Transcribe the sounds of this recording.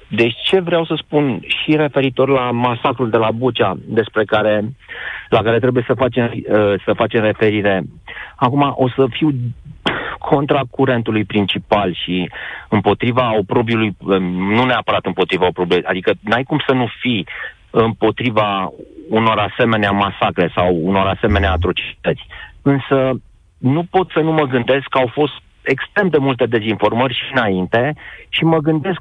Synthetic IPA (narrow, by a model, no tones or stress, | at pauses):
d̪e̞t͡ʃe̞vɾeawsəspunʃiɾe̞fe̞ɾit̪o̞rlamasakɾuld̪e̞labut͡ʃad̪e̞spɾe̞kaɾe̞ | lakaɾe̞t̪ɾe̞buje̞səfat͡ʃe̞msəfat͡ʃe̞mre̞fe̞ɾiɾe̞akumaʔo̞səfiw | kʰo̞nt̪ɾakuɾe̞nt̪ulujpɾint͡ʃipalʃiɨmpo̞t̪ɾivaopɾo̞bjulujnuneapəɾat̪ɨmpo̞t̪ɾivaopɾobleʔa̰d̪ikənajkumsənufi | ɨmpo̞t̪ɾivauno̞ɾase̞me̞neamasakɾe̞sawuno̞ɾase̞me̞neaːt̪ɾo̞t͡ʃit̪ət̪sʲɨnsə | nupo̞t̪sənuməɡɨnd̪e̞skːawfo̞st̪ | e̞kst̪ɾe̞md̪e̞mult̪e̞d̪e̞zinfo̞rmərʲʃinaint̪e̞ʃiməɡɨnd̪e̞sk